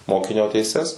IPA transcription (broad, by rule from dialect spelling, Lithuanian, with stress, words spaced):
ˈmoːkʲɪnʲoː tʲɛɪˈsʲɛs